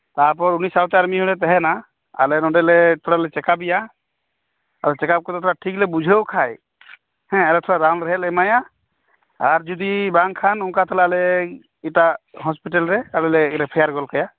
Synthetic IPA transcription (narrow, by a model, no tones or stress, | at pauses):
t̪ap̬ɔɾunisawt̪ɛaɾmiɦɔɽɛt̪̬ɛɦɛna | a̰lɛnɔɖɛlɛt̪ʰɔɽalɛt͡ʃɛkabija | alɛt͡ʃɛkap̚kɔt̪ɔt̪ʰɔɹaʈʰiklɛbud͡ʒʱewkʰaj | hɛ̃ɛlɛtʰɔɹadanɾɛɦɛlɛmaja | aɾd͡ʒɔd̪ibaŋkʰanuŋkat̪ʰɔlaalɛ | itaɦɔspiʈɛlɾɛaɾɛlɛɾɛpʰɛjaɾɡɔlkʰaja